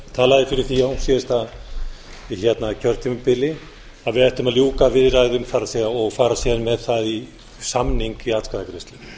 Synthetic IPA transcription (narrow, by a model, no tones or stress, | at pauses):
t̪ʰaːlaðɪfɪɾɪɾ̥θiahumsjɛðɪst̪að | çjɛt̪nacʰœɾ̥t̪ʰimʏpɪlɪ | aðvɪðɛht̪ʏmaðljuːkavɪðraːjɣðʏmfaɾasɛðaɔɣfaːɾasjɛðanmɛðθaði | samniŋkiat̪kaðakʰɾɪst̪lɪ